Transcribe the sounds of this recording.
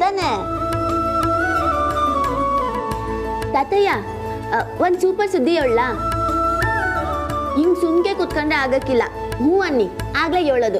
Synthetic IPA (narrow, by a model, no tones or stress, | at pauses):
t̪aːne | t̪ɐt̪ɐja | ʋond̪suːpɐɾsud̪ʱːieːɭːɐ | imɡsunɡekut̪koɳɖeaːɡɐkːilːɐ | ɦũːɐnːiaːɡleːjoːɭɐd̪u